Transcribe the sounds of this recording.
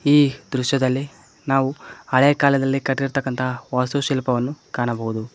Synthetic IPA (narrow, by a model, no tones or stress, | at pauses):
iːd̪ɾuʃjɐd̪ɐlːi | naːʋuɐɭeːkaːlɐd̪ɐlːikɐʈːiɾt̪ɐkːɐnt̪ʰɐʋaːst̪uʃilpɐʋɐnːukaːɳɐbɐɦud̪u